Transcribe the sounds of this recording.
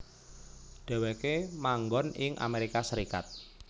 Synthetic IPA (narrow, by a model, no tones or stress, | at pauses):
ɖ̥a̤wekemaŋɡɔnɪŋʔa̰meɾikasəɾika̰t̪̚